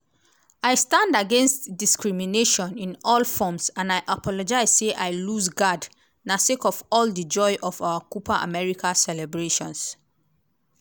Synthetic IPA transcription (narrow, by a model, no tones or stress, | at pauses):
ajstãndaɡɛ̃nstdiskɹimineʃɔ̃nĩnɔlfɔmsãnajʔapʰɔlɔd͡ʒaɪzseʔajlusɡad | nasekɔvɔldəd͡ʒɔɪʔɔvawakupʰaʔa̰mɛɹikʰasɛlɛbɹeʃɔ̃ns